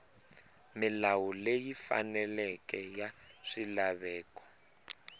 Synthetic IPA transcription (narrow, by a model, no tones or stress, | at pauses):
milawulejifa̰nɛlɛkʼɛjaʂilaβɛːkɔ̥